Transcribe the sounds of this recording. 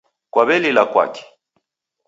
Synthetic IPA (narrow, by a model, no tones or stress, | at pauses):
kwaβɛlilakwa̰kɛ̥